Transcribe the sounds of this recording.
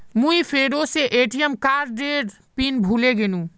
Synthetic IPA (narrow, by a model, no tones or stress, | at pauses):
mũipʰɾeɾoseʔeʈijəmkaɾɖeɾ | pinbʱuleɡenũ